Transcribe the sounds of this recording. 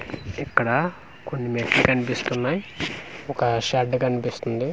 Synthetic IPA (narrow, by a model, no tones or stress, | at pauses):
ɛkːɐɽɐ | konːimeksikɐnipist̪unːaːjɔkɐʃɐɖkɐnipist̪und̪i